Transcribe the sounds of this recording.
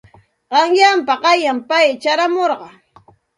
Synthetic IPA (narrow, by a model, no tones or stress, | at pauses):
ɢɑŋjampaɢɑjampajt͡ʃaɾamoɾɢɑ